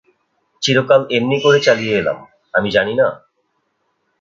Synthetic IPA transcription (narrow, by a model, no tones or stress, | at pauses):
t͡ɕiɾokalemnikoɾet͡ɕalijeela̰m | amid͡ʑanina